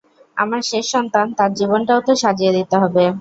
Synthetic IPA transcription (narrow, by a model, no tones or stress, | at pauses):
a̰maɾʃeʃːɔnt̪ant̪aɾd͡ʑibonʈaot̪eʃad͡ʑied̪it̪eɦɔbe